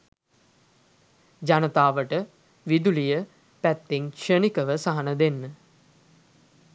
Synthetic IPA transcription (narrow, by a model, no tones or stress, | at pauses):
d͡ʒanət̪aːʋəʈə | ʋid̪ulijə | pæt̪ːeŋʃənikəʋəsaɦanəd̪enːə